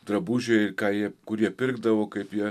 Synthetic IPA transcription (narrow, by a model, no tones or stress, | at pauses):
d̪ɾɐbuʒʲɛɪɾkaːɪjɛkʊɾjɛpʲɪɾɡd̪ɐʋokɐɪpjɛ